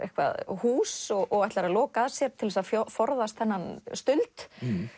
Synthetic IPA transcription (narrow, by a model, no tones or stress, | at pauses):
ḛhkva̰ðhuːsɔɣʔɔɣajht̪aɾalɔːkaðsjɛɾt̪ʰɪlvɛsaðfɔfɔɾðast̪hɛnːanst̪ʏlt̪